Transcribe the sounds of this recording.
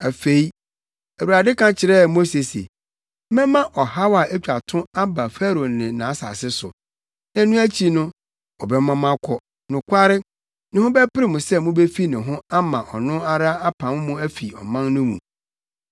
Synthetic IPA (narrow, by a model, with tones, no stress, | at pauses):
æ˨fe˨i˦ | æ˨wu˨ɾa˨dɪ˦kʰã˨t͡ɕʰɪ˨ɾɛ˦˨mo˦se˨sḛ˨˦ | mɛ̃˦mã˦ʔɔ˨ha˦wa˨æ˦t͡ɕᶣa˨tʰʊ̃˦a˦ba˨fæ˦ɾo˨nɪ̃˨nã˨˦sa̰˨sɪ˦sʊ̰˨ | nã˦nʊ̃˦æ˦t͡ɕʰi˦nʊ̃˦ | ɔ˨bɛ˦mã˦m˦ã˦kʰɔ˦ | nʊ̃˨kʷʰa˦ɾɪ˦ | nɪ̃˦hʊ̃˦bɛ˦pɪ˦ɾɪ˦mʊ̃˨sɛ˦mʊ̃˦bɛ˦fi˦nɪ̃˨ɦʊ̃˦a˦mã˨ʔɔ˨nʊ̃˦a˦ɾa˦a˦pʰã˨m˦mʊ̃˦æ˦fi˨ɔ̰˨mã˦nnʊ̃˦mṵ̃˨